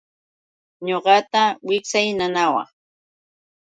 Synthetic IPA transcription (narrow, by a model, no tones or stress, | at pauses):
ɲoɢɑt̪awɪksajnanawa̰ŋ